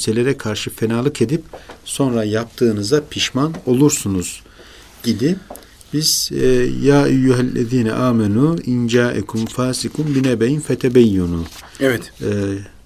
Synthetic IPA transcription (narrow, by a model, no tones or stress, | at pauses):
selʲe̞ɾɛkʰaɾʃɯfenaːlˠɯke̞d̪ip̚so̞nɾajap̚t̪ʰɯːnɯzapʰiʃmano̞lˠuɾsunuz̥ | ɟid̪i | biz̥jaːʔajːuɦɛlːḛðiːnɛ̰ʔaːmɛnuːind͡ʒaːʔɛ̰kʰumfaːsikʰumbinɛbejinfɛt̪ʰɛbɛjːunu | ɛvɛt̪ː